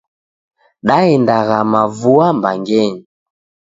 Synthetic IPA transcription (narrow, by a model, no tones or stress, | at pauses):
ɗaɛndaɣamavuambaŋɡɛɲi